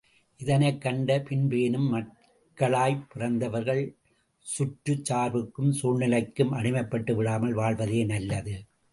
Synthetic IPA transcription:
ʔɪðɐnɐɪkːɐɳɖɐpɪnbeːnɯmːɐʈ̚ | kːɐɭaːjpːɪrɐnd̪ɐʋɐɾɣɐɭ | sʊʈɾɯt͡ʃːaːɾʋɯkːɯmsʊnɪlɐɪkːɯmʔɐɽɪmɐɪpːɐʈːɯʋɪɽaːmɐlʋaːɭʋɐðeːnɐlːɐðɯ

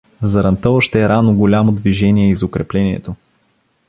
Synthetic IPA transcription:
zɐɾɐnt̪ɔvəʃt̪ɛɛɾanoɡolʲamod̪viʒɛniɛizokɾɛplɛniɛ̰t̪o

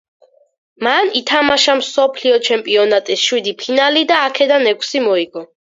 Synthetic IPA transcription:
manit̪ʰamaʃamsɔpʰliɔt͡ʃʰɛmpʼiɔnat̪ʼisʃwid̪ipʰinalid̪aːkʰɛd̪anɛkʷʰsimɔiɡɔ

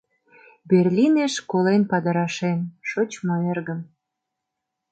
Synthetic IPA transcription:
berlʲineʃkolenpɑd̪əɾɑʃenʃot͡ɕmoerɣəm

